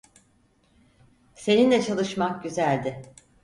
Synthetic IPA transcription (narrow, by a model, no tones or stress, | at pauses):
se̞nind̪ʲɛt͡ʃʰalˠɯʃmak̚ɟyzælʲd̪ɪ